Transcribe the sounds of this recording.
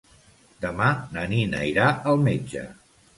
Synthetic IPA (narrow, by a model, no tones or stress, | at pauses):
d̪əmanəninə̰iɾaʔəlˠmed͡ʒə̰